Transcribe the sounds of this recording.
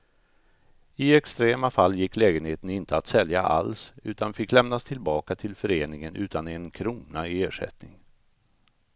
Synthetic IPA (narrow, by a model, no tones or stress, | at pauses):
ɪɛkst̪ɾeːmafalːjɪkːlɛːɡənheːt̪ənɪnt̪əat̪sɛljaʔa̰lsʉ̟ːt̪anfɪkːlɛmnast̪ʰɪlbɑːkat̪ʰɪlfœɾeːnɪŋənʔʉ̟ːt̪anɛnkʰɾuːna̰ɪeːʂɛ̰t̪nɪŋ